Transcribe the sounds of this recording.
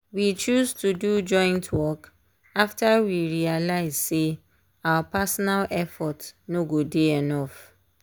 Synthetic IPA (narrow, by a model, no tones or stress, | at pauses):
wit͡ʃuztudud͡ʒɔ̃ɪ̃ntʰwɔk | aftawiɹialaɪz̥se | awapasɔnalʔɛfɔtnoɡodeɛnɔf